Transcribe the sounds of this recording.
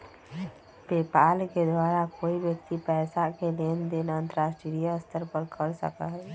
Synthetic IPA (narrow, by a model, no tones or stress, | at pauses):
beːpaːlked̪waːɾakoːibjək̚t̪ipɛːsakeleːnd̪enaə̃nt̪əɾaːsʈiɾijaəst̪ʰəɾpəɾkʰəɾsə̰ka̰ɦɛ